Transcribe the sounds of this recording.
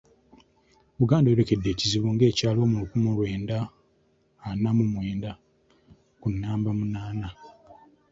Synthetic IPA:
βuɡaːndajɾe̞ke̞dːe̞ːciziβuŋɡe̞ːcaːlwo̞ːmulukumulwe̞ːndaː | namumwe̞ːnda | kunːaːmbamunaːna

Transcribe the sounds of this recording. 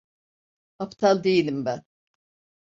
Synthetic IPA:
apt̪ʰalˠd̪ejilʲimbæn

